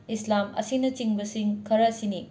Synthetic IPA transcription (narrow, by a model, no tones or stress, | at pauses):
islamɐ̰sinɐt͡ʃiŋbɐsiŋkʰɐɾɐsini